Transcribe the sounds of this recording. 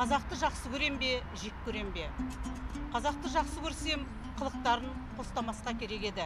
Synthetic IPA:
qʰɑzɑq̚t̪əʒɑqsəkʲʰɵɾe̞mbe̞ʒekʰʲːɵɾe̞mbe̞ | qʰɑzɑq̚t̪əʒɑqsəkʲʰɵɾse̞m | qʰəlˠəq̚t̪ɑɾənqʰo̞st̪ɑmɑsqɑkʲʰe̞ɾe̞ke̞d̪ɪ

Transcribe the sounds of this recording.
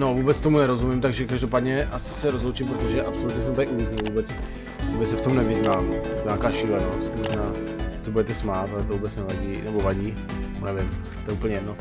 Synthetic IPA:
no̞vuːbɛt͡st̪omunɛɾo̞zumɪmt̪aɡʒɛkaʒdopaːdɲɛʔasɪ̥sɛɾozlowt͡ʃimpɾot̪oʒɛʔapsolut̪ɲɛs̬ɛmt̪akɪʔuvɪznulvuːbɛt͡s | vuːbɛsɛft̪omnɛvɪznaːmjɛt̪oɲaːkaːʃɪlɛnost̪moʒnaː | t͡sobudɛt̪ɛsmaːt̪alɛt̪ovuːbɛt͡snɛvaɟiːnɛbovaɟḭː | nɛvɪm | t̪oɛuːpəɲɛjɛdno

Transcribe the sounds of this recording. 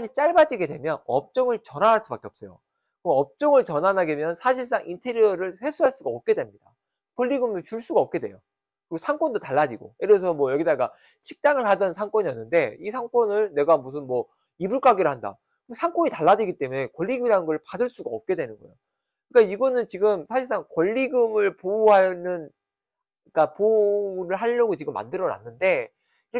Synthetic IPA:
ɲit͡ɕ͈aɭbad͡ʑiɡe̞dwemjʌnʌp̚t͡ɕ͈ʌŋɯɭt͡ɕʌnaɾaɭs͈ʰupak͈eʌp̚s͈ʌjo̰ | kʌp̚t͡ɕ͈ʌŋɯɭt͡ɕʌnanaɡemjʌnsʰaɕʰiɭs̬͈aŋʔintʰe̞ɾiʌɾɯɭɸwe̞sʰuɦaɭs͈uɡaʌp̚k͈e̞dwe̞mɲida̰ | kʌʎːiɡumjʌnt͡ɕuɭs͈uɡaʌp̚k͈e̞dwe̞̰jo | kɯiɡosʰaŋk͈wʌndotaɭːad͡ʑiɡo̰iɾes̬ʰʌmwʌjʌɡidaɡa | ɕʰik̚t͈aŋɯɭɦadʌnsʰaŋk͈wʌɲiʌnːɯnde̞isʰaŋk͈wʌnɯɭne̞ɡamus̬ʰɯnmwʌ | ibuɭk͈aɡiɾɯhanda̰ | sʰaŋk͈ʌɲitaɭːad͡ʑiɡit͈e̞mune̞kwʌʎːiɡɯmiɾanɯnɡʌɯɭpadɯɭs͈uɡaʌp̚k͈e̞dwe̞nɯnɡʌjo | kɯk͈aiɡʌnɯnt͡ɕiɡɯmsʰaɕʰiɭs͈aŋkwʌʎːiɡɯmɯɭpouɦanɯn | ik͈apoɾɯɭɦaʎːʌɡot͡ɕiɡɯmːa̰ndɯɾʌna̰nːɯnde̞ | kiɾʌ

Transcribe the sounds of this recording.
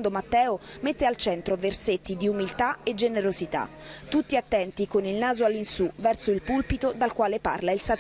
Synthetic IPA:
nd̪omat̪ːɛːomet̪ːealt͡ʃɛnt̪ɾoverset̪ːid̪iumilt̪aed͡ʒːeneɾozit̪a̰t̪ːut̪ːiat̪ːɛnt̪ikonilnaːzoalːinsuvɛrsoilpulpit̪od̪alkwaːlepa̰rlailsa

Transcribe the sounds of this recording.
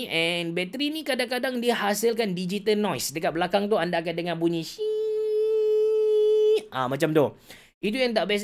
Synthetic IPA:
ʔɛ̃nbɛt̪ɾinĩkadaŋkadaŋdiəhasəlk̬andid͡ʒit̪alnɔjsdəkat̪̚bəlakaŋt̪̬uandaːk̬an̚dəŋanbuɲĩʃi | ʔamãt͡ʃamt̪ʊ | it̪̬ujaŋt̪̬aʔbias̬

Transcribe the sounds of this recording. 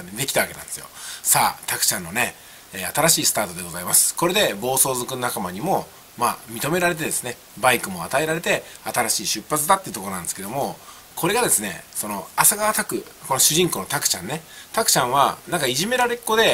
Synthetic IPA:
d̪e̞kʲi̥t̪aβake̞nã̰nd̪sɨjo̞̰sa̰ːt̪akɯ̥t͡ɕãnːo̞ne̞ː | at̪aɾaɕiːsɨ̥t̪aːt̪o̞d̪e̞ɡo̞zaimasɨ̥ko̞ɾe̞d̪e̞bo̞ːso̞ːzokɯnonakamaɲ̟imo | maːmʲit̪o̞me̞ɾaɾe̞t̪̬e̞d̪e̞sɨne̞ | baikɯ̟mo̞a̰t̪ae̞ɾaɾe̞t̪e̞at̪aɾaɕiːɕɨpːat͡sɨd̪at̪ːeiɯ̟t̪okoɾnãnd̪esked̪o̞mo̞ | kʰo̞ɾe̞ɡad̪e̞sɨne̞̰so̞no̞asaɡat̪akɯ̟ko̞no̞ɕɨʑĩŋko̞no̞t̪akɯ̟̥t͡ɕã̰nːe̞t̪akɯ̟̥t͡ɕãɰ̃βa̰nãŋkaiʑime̞ɾaɾe̞kːo̞d̪e̞

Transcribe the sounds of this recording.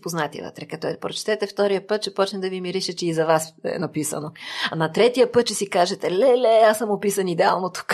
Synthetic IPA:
poznat̪ḭvə̰t̪ɾɛkɐt̪ɔɛpɾot͡ʃɛ̥t̪ɛt̪ɛft̪ɔɾijəpɤt̪̚t͡ʃɛpɔt͡ʃnɛd̪ɐvimiɾiʃɛt͡ʃɛizɐvasɛ̰nɐpisɐ̰noɐnɐt̪ɾɛt̪ijəpɤt̪̚t͡ʃɛsikaʒɛt̪ɛlɛlɛasəmopisɐnid̪ɛalˠnot̪u̥k

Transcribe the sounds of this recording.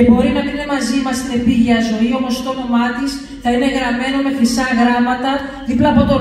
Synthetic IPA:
ebo̞ɾinɐmininemɐzimɐst̪e̞piʝɐzo̞io̞mo̞st̪ono̞mɐt̪is | θɐine̞ɣɾɐme̞nome̞xɾisɐɣɾɐmɐt̪ɐðiplɐːpo̞t̪o̞

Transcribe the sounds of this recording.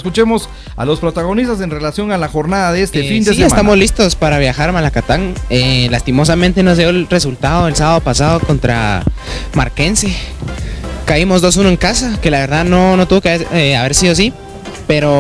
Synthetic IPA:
eskut͡ʃemo̞s | a̰lo̞spɾot̪aɣo̞nist̪as̬e̞nre̞lasjo̞ŋalaxo̞ɾnaðaðeest̪efind̪eeesat̪amo̞zlist̪o̞spaɾaβ̞jaxaɾmalakat̪aŋelast̪imo̞s̬amẽnt̪e̞no̞zðjo̞elre̞s̬ult̪aðoðelsaβaðopasað̞oko̞nt̪ɾa̰ | maɾke̞nse̞ | kaimo̞zðo̞s̬unoeŋkasake̞laβe̞ɾðaðno̞not̪uβo̞keeaβe̞ɾsiðos̬i | pe̞ɾo

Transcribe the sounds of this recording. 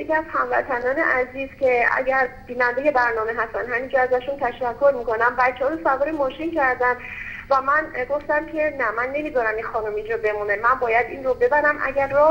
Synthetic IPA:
jecʰʲiæzhæmvæt̪ʰænɒːnḛʔæziːz̥cʰe̞æ̰ɟæɾb̥iːnænd̪eje̞bæɾnɒːme̞ɦæst̪ænd̪ɦæmind͡ʒɒæzæʃunt̪ʰæʃækʰːo̞ɾmikʰo̞næmbæt̪t͡ʃʰːɛhːjosævɒːɾemɒːʃincʰæɾd̪ænd̪ | væmænɡo̞ft̪æmcʲʰe̞næmænːe̞mid̪ɒːɾæminxɒːnumind͡ʒɒbe̞munemænbɒːjæd̪inrobe̞bæɾæmʔæ̰ɟæɾːɒ

